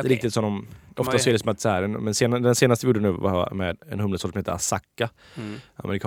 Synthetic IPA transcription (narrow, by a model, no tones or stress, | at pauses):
ɾɪkt̪ɪt̪sɔmd̪ɔmɔftt̪asɔɛːɾɛɪksɔmat̪shæːɾɛnmɛnseːnad̪ɛnseːnast̪əvɪjuːɖːɛnʉ̟ːva̰mɛ̰d̪ɛ̰nhɵmləsoːt̪sɔmheːt̪əɾa̰sakːa | a̰mɛɾɪkʰɑ